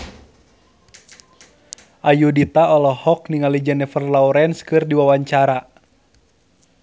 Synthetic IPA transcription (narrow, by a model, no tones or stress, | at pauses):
ʔajudit̪aɔlɔhɔk̚niŋalid͡ʒanɛfərlauɾɛnskɨrdiwawaɲt͡ʃaɾa